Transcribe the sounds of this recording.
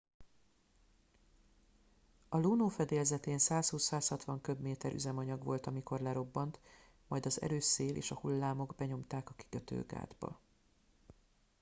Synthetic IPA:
ɒluːnoːfɛd̪eːlzɛt̪eːnsaːshuːshaːshɒt̪ʋɒŋkø̞bmeːt̪ɛɾʔy̰zɛmɒɲɒɡʋo̞lt̪ɒmiko̞rlɛɾo̞bːɒnt̪ | mɒjd̪ɒzɛ̰ɾøːseːlʔḛːʃɒhulːaːmo̞ɡbɛɲo̞mt̪aːkɒki̥køt̪ø̰ːɡa̰ːd̪bɒ̰

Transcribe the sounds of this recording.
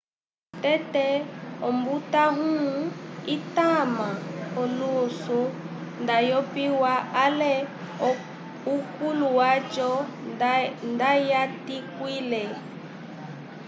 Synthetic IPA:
tɛtɛɔmbutaɦũitamaɔluso | ndajɔpiwaalɛ | ukuluwat͡ʃɔ | ndajatikwilɛ

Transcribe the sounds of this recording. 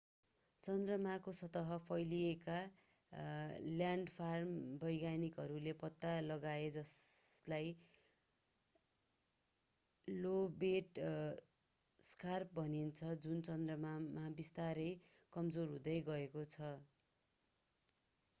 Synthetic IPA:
t͡sʌnd̪rʌmakosʌt̪ʌɦʌpʰʌjlieka | ljaɳɖpʰarmbʌjɡanikɦʌɾulepʌt̪ːalʌɡaed͡zʌslaj | lobeʈ | skarp̚bʌnint͡sʰʌd͡zunt͡sʌnd̪rʌmamabist̪aɾʌjkʌmd͡zorɦũd̪ʌjɡʌekot͡sʰʌ

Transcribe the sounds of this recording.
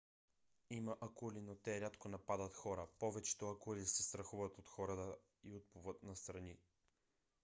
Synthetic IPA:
imɐʔɐkulinot̪ɛɾʲat̪konɐpad̪ət̪xɔɾəpɔvɛt͡ʃɛ̥t̪oɐkulisɛst̪ɾɐxuvət̪ot̪xɔɾɐt̪ə | iot̪̚puvət̪̚nɐst̪ɾɐni

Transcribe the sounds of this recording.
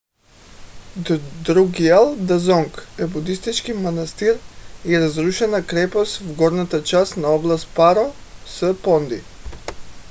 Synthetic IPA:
d̪ɾuɡialˠd̪azɔŋkɛbud̪ist̪it͡ʃkimanast̪iɾiɾazɾuʃɛnakɾɛpɔst̪vɡɔɾnat̪at͡ʃast̪naɔblˠast̪paɾɔsəpɔnd̪ḭ

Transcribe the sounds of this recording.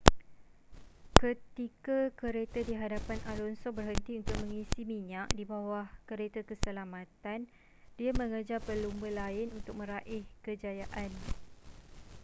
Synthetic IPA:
kət̪ikakəɾet̪ədiɦadapanʔalɔnsobərɦənt̪iunt̪ʊk̚mə̃ŋisimiɲaʔdibawahkəɾet̪əkəsəlamãt̪an | diamə̃ŋəd͡ʒapəlumbəlaɪnunt̪ʊk̚mə̃ɾaʔɪhkəd͡ʒajaʔan

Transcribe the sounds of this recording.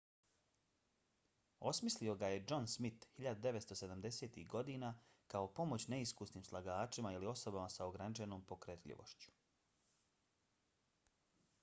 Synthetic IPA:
o̞smislio̞ɡaje̞d͡ʒo̞nsmit̪hiʎad̪ud̪e̞ʋet̪st̪o̞se̞d̪amd̪e̞seːt̪iɡo̞d̪iːnakaopo̞mo̞t͡ɕne̞iskusniːmslˠaɡaːt͡ʃimailio̞so̞bamasaoɡɾanit͡ʃeno̞ːmpo̞kɾet̪ʎḭʋo̞̰ʃt͡ɕu̥

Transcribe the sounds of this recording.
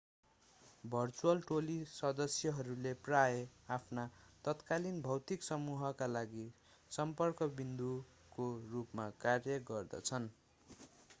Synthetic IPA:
bʱʌrt͡suʌlʈolisʌd̪ʌsjʌɦʌɾuleprajeapʰnat̪ʌt̪kalinbʱʌwt̪iksʌmuɦʌkalaɡi | sʌmpʌrkʌbind̪u | korupmakarjʌɡʌrd̪ʌ̰t͡sʰʌn

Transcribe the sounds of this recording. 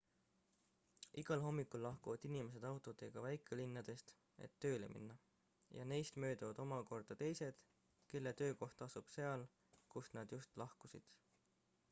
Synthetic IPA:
iɡ̥ɑlɦo̞mːikːˑulːɑhkuvɑd̪̥inime̞s̬e̞d̪̥ɑwt̪ˑo̞d̪e̞ɡ̥ɑvæjkːˑelinːɑd̪̥e̞st̪ | e̞̰t̪ːø̞ːle̞̰mḭnːɑ | jɑne̞jst̪mø̞ːd̪ɑvɑd̪̥o̞mɑko̞rd̪̥ɑt̪e̞jse̞d̪̥ | ke̞lːet̪ø̞ːko̞ht̪ɑsub̥se̞ɑl | kusnɑd̪̥just̪lɑhkusḭd̪̥

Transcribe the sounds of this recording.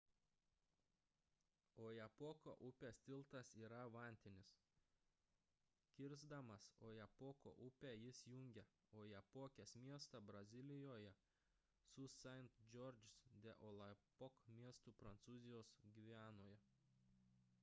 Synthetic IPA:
oːjɛpoːko̰ːʔʊpʲeːst̪ʲɪlˠt̪ɐsiːɾɐʋɐˑnʲt̪ʲɪnʲɪs | kʲɪɾzd̪ɐmɐsoːjɛpoːko̰ːʔʊpʲæːjɪsjʊŋʲɡʲɛ | oːjɛpoːkʲeːsmʲiɛst̪ɐbɾɐzʲɪlʲɪjoːjɛ | sʊsʲɛnt̪d͡ʒʲɔɾd͡ʒʲɪsd̪ʲɛʔolˠɐpɔkmʲiɛst̪uːpɾɐnt̪suːzʲɪjoːsɡʲiːʋʲæːnoːjɛ

